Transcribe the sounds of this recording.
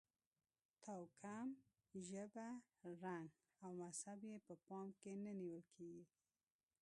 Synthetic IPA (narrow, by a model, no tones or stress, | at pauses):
t̪awkʰam | ʒəbaɾaŋɡ | awmashabjepəpɑmkenaniwəlkʰeɡi